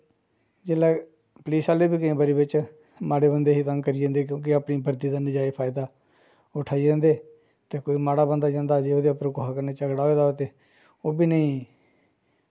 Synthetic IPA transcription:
d͡ʒeːlaː | pəliːsaːleːbiːkɪẽːbəɾiːbɪt͡ʃ | maːɽeːbənd̪eːɦiːt̪əŋɡkəɾiːd͡ʒãːnd̪eːk̬jõːk̬ɪaːpɳiːbʱəɾd̪iːd̪aːnɪd͡ʒaːepʰaːɪd̪aː | oʈʰaːiːd͡ʒẽːnd̪eː | t̪eːkoːiːmaːɽaːbənd̪aːd͡ʒãːnd̪aːd͡ʒeːoːd̪eːapɾõːkoɦaːkəɾneːt͡ʃəɡɽaːɦoeːd̪aːoːt̪eː | oːbiːnəĩː

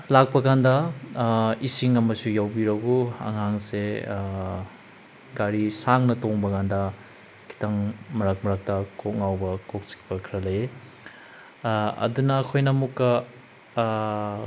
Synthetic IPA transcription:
lak̚pɐkandɐ | isiŋɐmɐsujawbiɾɐɡuɐ̰ŋɦaŋse | ɡaɾisaŋnɐtoŋbɐkʰandɐ | kʰi̥tɐŋmɐɾak̚mɐɾak̚tɐkʰok̚ŋawbɐkok̚si̥k̚pɐkʰiɾɐlɐje | ɐ̰dunɐːkʰojnɐmukːɐ

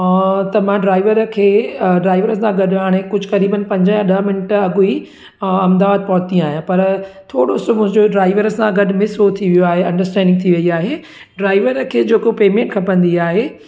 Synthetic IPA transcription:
t̪ɐmãɖɾaːɪʋəɾkʰeːɖɾaːɪʋəɾəsãɡɐɗɦaːɽ̃ekʊd͡ʑʱʊkɐɾiːbənɪ̆pɐ̃ɲd͡ʑəãɗɐmɪnəʈɐɡui | ɐmd̪aːd̪̚pɔɦt̪ĩaːɦjãpɐɾt̪ʰoːɽosomʊ̃ɦɪ̃ɲd͡ʑoɖɾaːɪʋəɾəsãɡɐɗmɪsɦot̪ʰiʋijoaːɦeɐ̃ɳɖəɾsʈɛ̃ːɳɖɪ̃ŋɡt̪ʰiʋɐiaːɦe | ɖɾaːɪʋəɾkʰeːd͡ʑeːkopeːmẽːɳʈkʰɐpɐ̃nd̪iaːɦeː

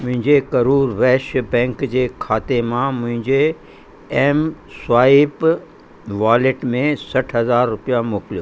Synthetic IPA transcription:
mʊ̃ɦɪ̃ɲd͡ʑekɐɾuːɾʋɛːʃbɛ̃ːŋkd͡ʑeːkʰaːt̪emãmʊ̃ɦɪ̃ɲd͡ʑe | eːm | saːɪp | ʋaːlɪʈmẽsɐʈʰɦɐzaːɾːʊpijamʊːklo

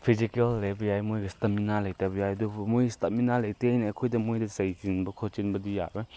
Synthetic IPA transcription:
pʰizikelːebjajmojɡɐstɐminalɐjtabɐjajdubmojstɐminalɐjtejniɐkʰojdɐmojdɐzɐjzinbɐkʰot͡ʃinbɐdija̰be

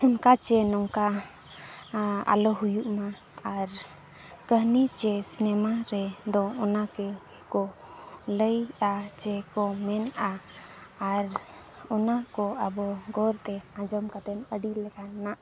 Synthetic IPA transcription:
ɔnkat͡ʃɛnɔŋka | a̰lɔɦujuʔmaː | ɾ | kəɦnit͡ʃɛsinɛmaɾɛd̪ɔɔnakɛ | kɔ | ləjat͡ʃɛkɔmɛnaː | ɾ | ɔnakɔabɔɡɔɾt̪ɛãd͡ʒɔmkat̪ɛnəɖilɛkannaʔ

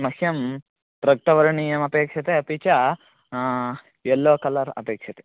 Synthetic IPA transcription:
mɐkʰjɐm | pɾɐɡ̚ʈɐʋɐɾɐɳijɐmɐpeːkʂɐt̪eɐpit͡ʃɐ | ɛlːoːkɐlɐɾɐ̰peːkʂɐt̪e

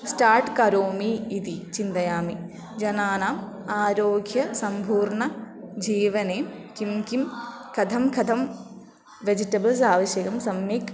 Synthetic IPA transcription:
sʈaːɾʈkɐɾoːmiːd̪it͡ʃind̪ɐjaːmi | d͡ʒɐnaːnaːm | aːɾoːɡʱjɐsɐmpʰuːɾɳɐ | d͡ʒiːʋɐneːkimkimkʰɐd̪ʰʱɐmkʰɐd̪ʰʱɐm | ʋed͡ʒiʈɐbɐls̬aːʋɐʃjɐɡɐmsɐmjek

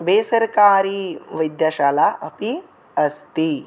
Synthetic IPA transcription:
besəɾkaːɾiːʋəjd̪jaɕalaʔəpi | əst̪i

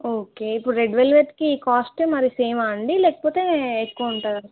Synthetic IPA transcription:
oːkeːipːuɽɾeɖʋelʋeɾt̪kiːkaːsʈemɐɾiseːmaɳɖilɛːkɐ̥poːt̪e̞ːekːuuɳʈaːɾɐ

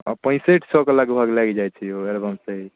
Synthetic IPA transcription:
ɔ̰pə̃ɪ̃seʈʰsɔkelakebʱaɡlaɡid͡ʒajt͡ʃʰioelbəmseɦi

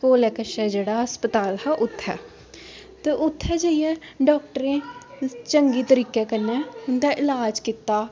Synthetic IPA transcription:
koːlɛːkəʃɛːd͡ʒeːɽaəspət̪aːlɦɛːʔʊt̪ʰːɛ̰ː | t̪eʔʊt̪ʰːɛːd͡ʒəɪjɛ̃ːɖɔːkʈəɾẽːt͡ʃəŋɡiːt̪əɾiːkeːkənɛːʊnd̪aːʔɪlaːd͡ʒkit̪ːaː

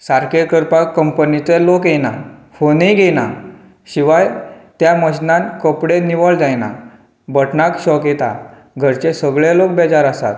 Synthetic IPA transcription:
saɾkeʈkəɾpakːəmpənit͡selokenafoniɡʱena | ɕiʋajt̪jaməɕnãnkəpɽeniʋəɭd͡zajna̰ | bəʈnakɕɔkjet̪a̰ | ɡʱəɾt͡ɕesəɡɭjalok̚bɛd͡zaɾasa̰t̪

